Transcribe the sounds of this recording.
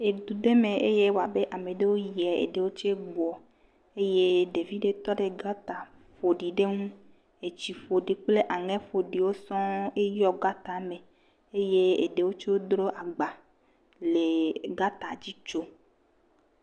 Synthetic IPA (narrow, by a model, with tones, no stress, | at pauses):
e˨d̪u˨ɖe˦me˨e˦je˦wo˨a˨be˦ʔa˨me˨ɖe˦wo˦ji˨ɛ˨ḛ˨ɖe˨wo˦t͡ʃe˦ɡ͡bɔ˨ | e˦je˦ɖe˨vi˦ɖe˨t̪ɔ˦ɖe˨ɡa˦t̪a˨ | fo˨ɖi˨ɖe˦ŋũ˦ | e˨t͡ɕi˨fo˨ɖi˨k͡ple˦ʔa˨ŋɛ̃˦fo˨ɖi˨wo˦sɔ̃˦e˦jɔ˦ɡa˦t̪a˨me˨ | e˦je˦ḛ˨ɖe˨wo˦t͡ʃe˦wo˦d̪ɾo˦ʔa˨ɡ͡ba˨ | le˨ɡa˦t̪a˨d͡ʑi˦t͡ʃo˦